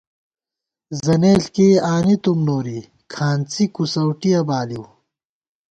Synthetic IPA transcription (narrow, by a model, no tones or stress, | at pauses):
zɐneːlkeːaːnit̪umnoːɾi | kʰaːnt͡sikusɐwʈijɐbaːliw